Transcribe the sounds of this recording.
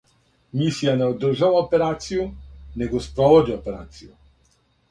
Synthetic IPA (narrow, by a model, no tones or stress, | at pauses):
mʲisʲjanɛɔd̪ʒawɔpɛɾat̪sʲjunɛɡɔspɾɔvɔd͡ʑiɔpɛɾat̪sʲju